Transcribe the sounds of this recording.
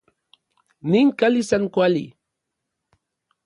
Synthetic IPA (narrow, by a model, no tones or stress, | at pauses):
nɪŋkalisaŋkwalḭ